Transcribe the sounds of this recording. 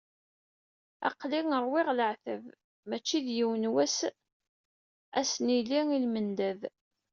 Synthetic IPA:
ɑ̰qliŋəɾˤwɪʁləʕθəv | mæt͡ʃːiðjiwənwæs | æsniliilmənd̪æð

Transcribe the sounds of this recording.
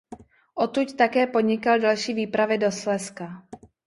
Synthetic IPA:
ʔot̪uct̪akɛːpodɲɪkaldalʃiːviːpɾavɪdoslɛska

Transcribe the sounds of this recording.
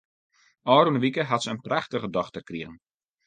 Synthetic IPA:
ʔɔːɾunəʋikəɦatsəənpraxtəɣədɔxtərkriɣən̩

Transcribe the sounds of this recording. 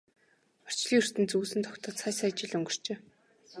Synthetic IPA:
ɔ̥t͡ɕɮiːɵr̥t̪ɘ̆nt͡suːsɘ̆nt̪ʰɔkt̪ɔ̆ːt̪sʰajsajt͡ɕɪ̆ɮɵŋɡɵ̆r̥t͡ɕeː

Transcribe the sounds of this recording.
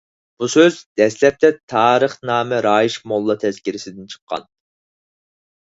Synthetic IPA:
b̥usøzd̪ɛslɛp̚t̪ʰɛt̪ʰɑːɾəχnɑːmɛɾɑːjiʃmolˠːɑt̪ʰɛz̥kʲiɾɪsɪd̪ɪnt͡ʃʰə̥qʰːɑ̰n

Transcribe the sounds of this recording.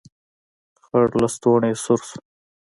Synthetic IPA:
xaɽlast̪oɳesʊɾs

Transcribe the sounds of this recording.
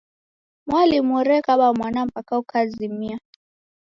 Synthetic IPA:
mwalimɔɾɛkaɓamwanam̩pakaukʰazimia

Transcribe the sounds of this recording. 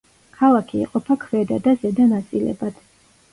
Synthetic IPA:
kʰalˠakʰḭːqʼɔpʰakʰvɛd̪a̰d̪azɛd̪anat̪sʼilɛ̰bad̪̥

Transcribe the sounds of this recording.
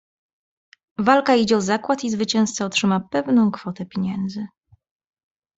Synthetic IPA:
valkaid͡ʑɛɔzakwat̪izvɘt͡ɕɛ̃w̃st̪saɔtʂɘmapɛvnɔ̃w̃kfɔt̪ɛpʲjeɲɛnd̪zɘ

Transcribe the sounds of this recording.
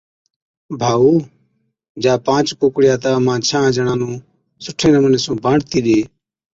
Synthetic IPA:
bʱaːuː | d͡ʒaːpãːt͡ʃkoːkɽɪjaːt̪aːmãːt͡ʃʰãːd͡ʒəɳãːnũː | sʊʈʰeːnəməneːsũːbʱãːɽt̪iːɗeː

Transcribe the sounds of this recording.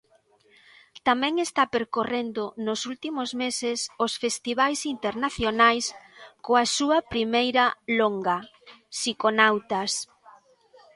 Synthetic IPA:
t̪amɛ̃ŋest̪apeɾkorend̪ʊnʊsult̪imozmesɪsosfest̪iβajsint̪eɾnaθjonajskoasuɐpɾimejɾɐloŋɡɐ | sikonawt̪ɐs

